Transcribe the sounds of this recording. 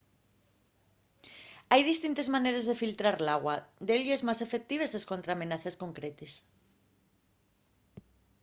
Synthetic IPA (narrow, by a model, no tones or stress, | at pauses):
ajðist̪int̪ezmaneɾezðefilt̪ɾaɾlaɣwɐd̪elʝezmajsefek̚t̪iβeseskont̪ɾaːmenaθeskoŋkɾet̪es